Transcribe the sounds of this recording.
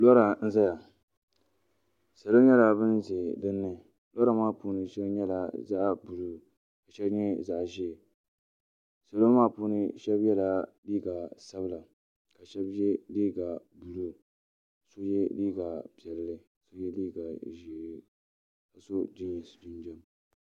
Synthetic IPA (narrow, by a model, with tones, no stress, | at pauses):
lɔ˦ɾa˨n̩˦za˦ja˨ | sa˨lo˦ɲɛ˦la˨bɨ˦nze˨dɨ˦nːɨ˦ | lɔ˦ɾa˨maː˦˨puː˦nɨ˨ʃɛ˦bɲɛ˦la˨za˦ʔbu˨lu˦ | ka˨ʃɛ˦bɲɛ˦za˦ʔʒiː˦˨ | sa˨lo˦maː˦˨puː˦nɨ˦ʃɛ˦bjɛ˦la˨liː˦ɡa˨sa˦bɨ˦la˨ | ka˨ʃɛ˦bjɛ˦liː˦ɡa˨ | bu˨lu˦ | so˦jɛ˦liː˦ɡa˨pi˨ɛ˨llɨ˦ | so˦jɛ˦liː˦ɡa˨ʒi˨ | ka˨so˦dɪ˦ɲ˨dʊ˦nd͡ʒɛ˦m